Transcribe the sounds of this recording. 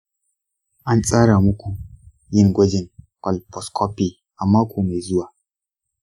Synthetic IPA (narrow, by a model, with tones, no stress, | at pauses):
a˦nt͡sʼa˦ɾa˨mu˦ku˨ | ji˦nɡʷo˦d͡ʒi˨nkʷa˨lpɔ˨skʰɔ˦pi˦ | a˨mːa˦kʰu˨me˨zu˦wa˨